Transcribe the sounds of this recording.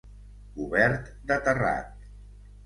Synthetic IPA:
uβɛɾt̪ | d̪ət̪əra̰t̪̚

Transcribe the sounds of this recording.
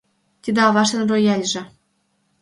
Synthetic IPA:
t̪ʲid̪ĕɑβɑʃɤ̆nrojælʲʒĕ

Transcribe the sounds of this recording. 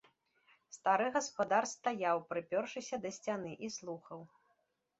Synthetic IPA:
st̪aɾɨɣɐspad̪arst̪ajawpɾɨpʲɔrʂɨsʲɐd̪ɐsʲt͡sʲanɨʔislˠuxɐw

